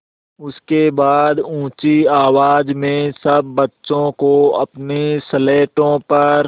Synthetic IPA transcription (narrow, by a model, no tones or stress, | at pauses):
ʊskebaːd̪ũːt͡ʃiaːwaːd͡ʒmẽsɐbːɐtːʃõkoɐpnesəleːʈõpɐɾ